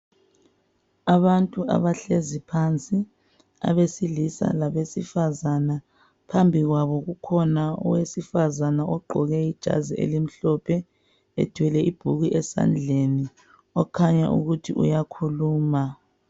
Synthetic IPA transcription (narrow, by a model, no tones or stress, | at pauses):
aβantʼuʔa̰βaɬezipʰant͡sʼi | a̰βesilisa̰laβesifazana | pʰambʱiɣwaβɔɣukʰɔnaɔ̰wesifazanaʔɔɡ͡ǃʱɔɣɛid̥ʒ̥ʱa̰ziʔḛlim̩ɬɔpʰɛ | ɛ̰tʰwɛlɛib̥ʱuɣiʔɛsa̰nd͡ɮʱeni | ɔkʰaɲa̰ʔṵɣutʰḭʔṵjakʰuluːma